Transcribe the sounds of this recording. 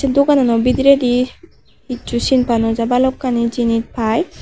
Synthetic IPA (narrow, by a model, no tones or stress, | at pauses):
sɛd̪uɡananɔbid̪iɾedi | it͡ʃusinpʰanɔzabalɔkːanizinit̚pʰaj